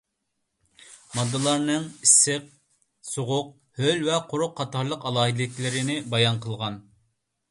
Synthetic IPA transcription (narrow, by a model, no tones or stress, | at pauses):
mɑd̪ːɨlˠɑɾnɨŋisɨq̚ | soʁʊq̚ | hølʲvɛqʰʊɾʊqʰːɑt̪ɑɾlˠəqɑlˠɑːɦid̪ɪlɪkʲlɪɾɪnɪbɑjɑnqʰəlˠʁɑn